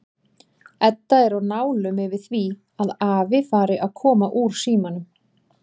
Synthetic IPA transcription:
ɛt̪ːaɛɾawnaːwlʏmɪvɪðθvi | aðaːvɪfaːɾɪʔaðkʰɔːmaʔuːɾ̥siːmanʏm

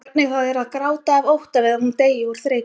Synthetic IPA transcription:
p̚nɪɣθawɛɾaðkɾaːwt̪aːvowht̪avɪðaɾhunt̪eːjɪvɔɾ̥θɾeːj

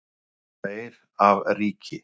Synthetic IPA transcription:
θejɾ | avriːcʰɪ

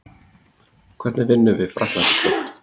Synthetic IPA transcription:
kʰv̥ɛɾt̪nɪvɪnːʏvɪðfɾakḁɔht̪

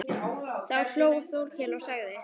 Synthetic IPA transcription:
θaaɾ̥l̥joːwθowlcʰɛːlaɣsaɣðɪ

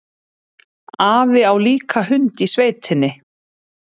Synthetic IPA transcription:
aːvɪawliːkʰaɦʏnt̪isveːjt̪ʰɪnːɪ

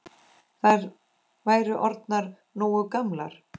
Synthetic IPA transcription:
θajɾ | vaːjɾʏʔɔɾt̪naɾ | nuːwʏkamla̰ɾ̥

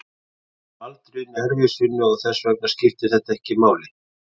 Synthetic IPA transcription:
valt̪ɾʏnːʏɛɾvɪsɪnːʏɔɣθɛsːvœk̚nḁscɪft̪ɪθɛht̪aɛhcɪimaːwlɪ

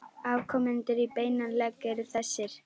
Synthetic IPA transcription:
avkʰɔmɛnt̪ɪɾipeːjnanlɛkɛɾθɛsːɪɾ̥

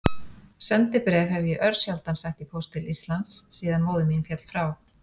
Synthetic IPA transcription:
sɛnt̪ɪpɾɛːvhɛvɪjɛʔœɾsjalt̪ansajht̪ipʰowst̪ʰɪlist̪lant̪ssiːðanmoːwðɪninfjɛt̪l̥fɾaːw

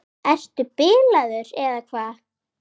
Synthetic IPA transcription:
ɛst̪ʏpɪːlaðʏɾɛðakʰvaː

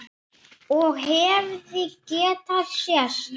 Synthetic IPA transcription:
ɔɣɦɛvðicɛːt̪aðsjɛs

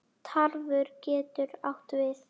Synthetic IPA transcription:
t̪ʰaɾvʏɾcɛːt̪ʏɾawht̪vɪθ

